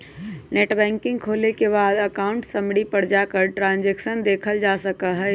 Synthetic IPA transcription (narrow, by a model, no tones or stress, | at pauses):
neːʈbɛ̃ːŋkɪ̃ŋɡ̚kʰoːlekebaːd̪əkaʊɳʈsəmɽipəɽ̤d͡ʒakəɾʈɾãːnd͡ʒɛksənd̪eːkʰəld͡ʒasəkəɦɛː